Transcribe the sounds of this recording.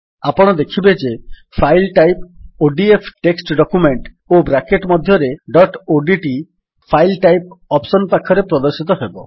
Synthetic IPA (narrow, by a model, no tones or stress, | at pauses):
apɔɽ̃ɔd̪ekʰibed͡ʒepʰajlʈajpoɖiepʰʈeksʈɖɔkumeɳʈ | obɾakeʈmɔd̪ʱjɔɾeɖɔʈoɖiʈi | pʰajlʈajp̚ɔpsɔnpakʰːɔɾepɾɔd̪ɔɾsit̪ɔɦebɔ